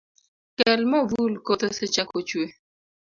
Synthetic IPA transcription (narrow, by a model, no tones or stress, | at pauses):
kɛlmɔvulkot̪oset͡ʃakot͡ʃwe